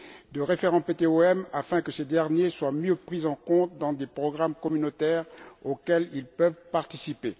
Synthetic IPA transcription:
d̪əʁefeʁɑ̃pet̪eoɛmafɛ̃kəsed̪ɛʁnjeswamjøpχizɑ̃kɔ̃t̪d̪ɑ̃d̪epχɔɡʁamkɔmynot̪ɛʁokɛlilpœvpaʁt̪isipe

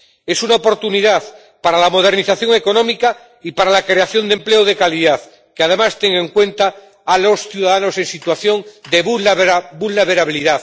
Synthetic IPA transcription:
e̞sunaopo̞ɾt̪uniðaθ | paɾalamo̞ð̞e̞ɾniθaθjo̞ŋe̞ko̞nõmika | ipaɾalakɾe̞aθjo̞nd̪empleoðe̞kaliðaθ | keaðe̞mast̪eŋẽŋkwe̞nt̪aː | lo̞sθjuðaðano̞sẽ̞nsit̪waθjõ̞nd̪eβbulnaβeɾaβiliðaθ

